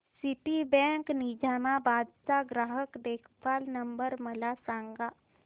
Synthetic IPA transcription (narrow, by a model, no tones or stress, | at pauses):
sɪʈibɛ̃ːŋknid͡ʒaːmãbaːd̪saɡɾaːɦəkd̪eːkʰpaːlnəmbəɾmɐlasãːŋɡa